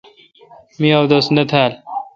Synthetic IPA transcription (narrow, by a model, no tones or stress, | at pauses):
miawd̪osnɐt̪ʰaːl